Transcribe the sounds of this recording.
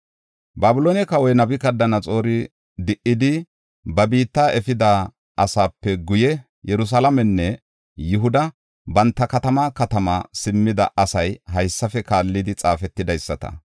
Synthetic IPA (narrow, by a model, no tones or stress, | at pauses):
baːbɪloːnɛkɐwɔjnɐbɪkɐd̪ːɐnɐt͡sʼo̞ːɾɪ | d̪ɪʔɪd̪ɪ | bɐbiːt̪ːaːɛfɪd̪a | ʔɐsaːpːɛɡʊjɛ | jɛɾʊs̬alɐmɛnːɛ | jʊɦʊd̪ɐ | bɐnt̪ːɐkɐt̪ɐmakɐt̪ɐmɐ̰sɪmːɪd̪ɐ̰ʔɐsɐjɦɐjsːɐfɛkaːlːɪd̪ɪt͡sʼaːfɛt̪ːɪd̪ɐjsːɐt̪ɐ̰